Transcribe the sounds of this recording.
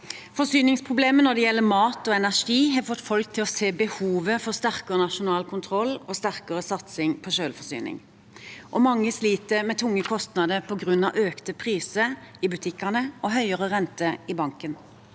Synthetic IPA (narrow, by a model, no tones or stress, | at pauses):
fɔsyːnɪŋspʰʁʊbleːmənɔd̪ɛjɛlːəmɑːt̪ɔːɛnæʂiːɦɑfɔt̪ːfɔlk̚t̪ʰɪlɔseːbəhuːʋəfɔst̪æʁkəʁənɑʃʊnɑːlkʰʊnt̪ʰʁɔlːoːst̪æʁkəʁəsɑt̪sɪŋpʰɔʃøːlfɔsy̰ːnɪ̰ŋ | ʔɔmɑŋːəsliːt̪əmɛːt̪ʰʊŋːəkʰɔst̪nɑd̪əpʰɔɡʁʉnːɑʔøːkt̪əpʰʁiːsəɪbʉt̪ʰɪkːənəʔɔɦœʏəʁəʁɛnt̪əɪbɑŋkən